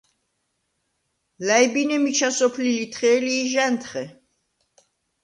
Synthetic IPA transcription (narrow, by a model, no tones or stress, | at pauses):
lajbinɛmit͡ʃʰasɔpʰlilit̪ʰχɛːliːʒɛnt̪ʰχɛ